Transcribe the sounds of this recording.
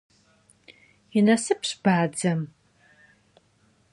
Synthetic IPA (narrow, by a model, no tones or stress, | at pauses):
inɐsɨpʰɕbaːd͡zɐm